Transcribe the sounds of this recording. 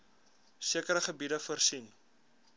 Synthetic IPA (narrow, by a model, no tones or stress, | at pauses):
siəkəɾəχəbidəfərsin